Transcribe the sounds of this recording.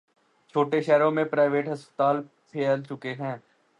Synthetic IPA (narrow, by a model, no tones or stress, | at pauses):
t͡ʃʰoːʈeʃɛːɾõːmẽpɾaːɪʋeːʈɦəspə̥t̪aːl | pʰeːəlt͡ʃʊkeɦɛ̃ː